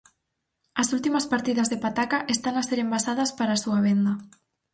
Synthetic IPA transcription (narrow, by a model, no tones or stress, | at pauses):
ɐsult̪imɐspaɾt̪iðɐzðepat̪akaʔest̪anaseɾembasað̞ɐspaɾasuaβ̞end̪ɐ